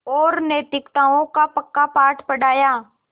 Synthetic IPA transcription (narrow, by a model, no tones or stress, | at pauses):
ɔːɾneːt̪ɪkt̪aːõkapəkːapaːʈʰpəɽaːjaː